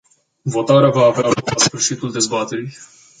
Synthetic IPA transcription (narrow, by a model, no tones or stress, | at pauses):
vo̞t̪aɾeavaːvealoklasfɨrʃit̪uld̪e̞zbat̪e̞ɾij